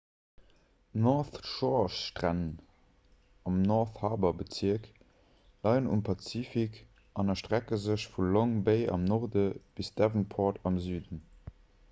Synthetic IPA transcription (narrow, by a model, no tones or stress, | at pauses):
nɔθʃɔʃtʁæn | ɑmnɔʁθhɑːbɐbət͡siək | lɑɪənṵmpʰɑt͡siːfik | ʔɑnɐʃtʁækəzəɕfulɔŋbeɪɑ̰mnoʁdəb̥isd̥ævənpʰoːtɑmzyːdən